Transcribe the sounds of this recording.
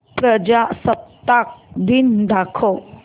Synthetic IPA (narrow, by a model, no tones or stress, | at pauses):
pɾəd͡ʒasəp̚t̪ak̚d̪ind̪akʰo